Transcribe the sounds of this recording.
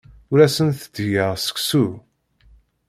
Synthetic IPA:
ʊɾæsənθəd̪jəʁsə̥ksu

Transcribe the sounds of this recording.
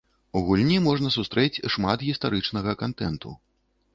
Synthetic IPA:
uɣulʲnʲimɔʐnɐsust̪ɾɛt͡sʲʂmat̪ɣʲist̪aɾɨt͡ʂnɐɣɐkant̪ɛnt̪ṵ

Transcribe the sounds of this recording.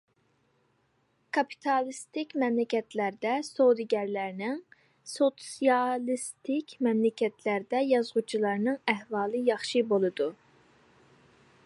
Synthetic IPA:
kʰɑpʰi̥t̪ʰɑlˠɨst̪ɪkʲmɛmlɪkʲɛt̪ʰlæɾd̪ɛsod̪ɨɡʲɛɾlæɾnɪŋ | sot̪sijɑlˠist̪ɪkʲmɛmlɪkʲɛt̪ʰlæɾd̪ɛjɑzʁut͡ʃʰilˠɑɾnɨŋæhvɑːlˠɨjɑχʃɨbolˠɨd̪u

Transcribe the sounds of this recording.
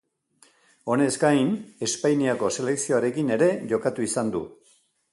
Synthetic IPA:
o̞ne̞zɡajne̞spajniako̞se̞le̞ksio̞aɾe̞kine̞ɾe̞ʝo̞kat̪uisand̪ṵ

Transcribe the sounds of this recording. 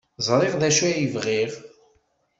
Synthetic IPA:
zˤɾˤeʁðæʃæjivʁiʁ

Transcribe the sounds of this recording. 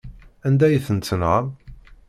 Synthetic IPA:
ænd̪æjθənt͡s̪ːənʁəð

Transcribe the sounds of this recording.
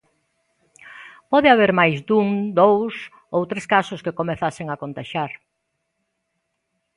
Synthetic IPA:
pɔðeaβ̞eɾmajzd̪uŋd̪ows | owt̪ɾeskasʊskekomeθaseŋakont̪aʃaɾ

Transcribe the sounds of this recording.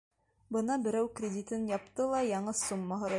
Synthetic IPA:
bɤnɑbɘ̆ɾæwkrʲɪdʲit̪ɤnjɑp̚t̪ɤlˠɑjɑɴɤsumːɑɦɤ̆ɾɑ

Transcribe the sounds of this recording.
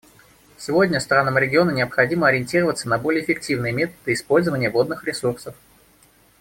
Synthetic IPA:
sʲɪvo̞dʲnʲəst̪ɾanəmɾʲɪɡʲɪo̞nənʲɪəpxɐdʲiməɐɾʲɪɪnʲtʲiɾəvət̪sənɐbo̞lʲɪːfʲɪk̚tʲivnɨjəmʲe̞t̪əd̪̥ɨɪspo̞lʲzəvənʲɪjəvo̞d̪nɨxɾʲɪsursəf

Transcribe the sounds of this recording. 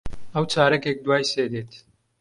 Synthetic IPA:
əwt͡ʃaːɾɐkek̚d̪waːjseːd̪eːt̪

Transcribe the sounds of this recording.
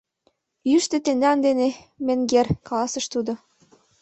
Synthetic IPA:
jyʃt̪ĕt̪end̪æɑnd̪ene | mĕŋɡerkɑlɑsɤə̆ʃt̪ud̪o

